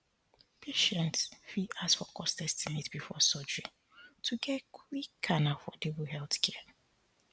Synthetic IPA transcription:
pʰeʃɛ̃ntsfiasfɔkʰɔstɛstinetbifɔsɔd͡ʒɹi | tʰuɡɛtkʰwikʰːanafɔdivuɦɛlθkʰɛə

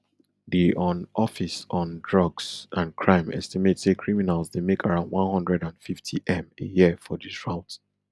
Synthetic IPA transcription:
diʔɔ̃nʔɔfisɔ̃ndɹʌɡsãnkʰɹãɪ̃mɛ̰stimetsekʰɹiminalˠzdemekʰaɹãʊ̃ndwɔ̃nhʌ̃ndɹɛdãnfiftʰiʔɛ̃mejiəfɔdisɹaʊt

